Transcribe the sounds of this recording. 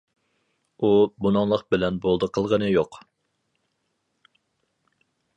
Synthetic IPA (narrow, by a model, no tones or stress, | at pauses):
ubunɑŋlˠəqbɪlɛnbolˠd̪əqʰəlˠʁənɨjoq